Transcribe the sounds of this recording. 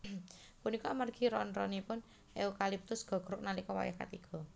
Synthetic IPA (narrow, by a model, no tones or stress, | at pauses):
punikɔmarɡ̥iɾɔnrɔnipʊn | ʔeukalip̚t̪ʊsɡ̥ɔ̤ɡ̥ɾʊk̚nalikɔwa̰jɛhka̰t̪iɡ̥ɔ̤